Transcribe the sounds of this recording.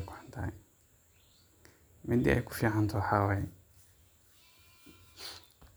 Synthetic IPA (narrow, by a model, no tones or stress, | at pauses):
kʰʊħant̪ʰa̰ː | mɛd̪ḭʔɛ̰jkʰʊ̥fiːʕant̪ʰɔħaːwaɛ